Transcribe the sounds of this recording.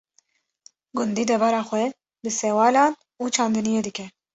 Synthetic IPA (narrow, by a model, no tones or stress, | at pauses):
ɡund̪id̪ɛbaɾɑːxwɛ | bɨsɛwɑːlɑːn | ut͡ʃʰaːnd̪ɨnijed̪ikʰɛ